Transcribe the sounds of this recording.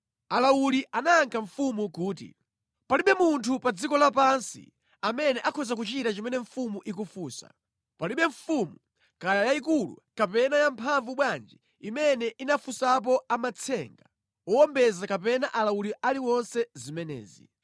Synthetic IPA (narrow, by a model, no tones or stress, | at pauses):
alawuliʔanaːŋkʰaɱfumukuːtḭ | paliɓɛmuntʰupad͡zikɔlapansḭ | amɛnɛʔakʰɔzak̬ut͡ʃitat͡ʃimɛnɛɱfumuʔik̬ufuːsa̰ | paliɓɛɱfumu | kajajaikulṵkapɛnajampʰaɱvuɓwand͡ʒi | imɛnɛʔinafusap̬ɔamat͡sʰɛŋɡa | wɔwɔmbɛzakap̬ɛnaʔalawuliʔaliwɔnsɛzimɛnɛ̰ːzḭ